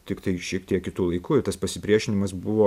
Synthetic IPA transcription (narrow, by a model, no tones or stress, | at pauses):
t̪ʲɪkt̪ɐɪʃʲiɛkt̪ʲiɛkkʲɪt̪uːlˠɐɪkuːɪt̪ɐspɐsʲɪpʲɾʲiɛʃʲɪnʲɪmɐsbʊʋoː